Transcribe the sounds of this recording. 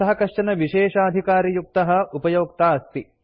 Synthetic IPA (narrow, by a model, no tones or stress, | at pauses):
ɐɦɐkɐʂʈɐnɐʋiʃeːʂaːɐd̪ʱikaːɾijuk̚t̪ɐɦɐ̆upɐjoːk̚t̪aːɐst̪i